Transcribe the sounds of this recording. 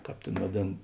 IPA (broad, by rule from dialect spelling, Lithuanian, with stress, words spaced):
ˈkɑːp ˈtʲeːn ʋɐˈdʲeːn